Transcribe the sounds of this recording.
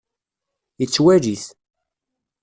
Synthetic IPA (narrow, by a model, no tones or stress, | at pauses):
jət͡sːwæɾiθ